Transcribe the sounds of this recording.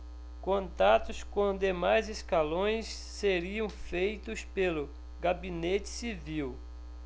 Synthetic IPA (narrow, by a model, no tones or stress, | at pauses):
kõnt̪at̪ʊskõd̪emajzeskalõj̃sːeɾiɐ̃w̃fejt̪ʊspelʊ | ɡabinet͡ʃɪ̥siviw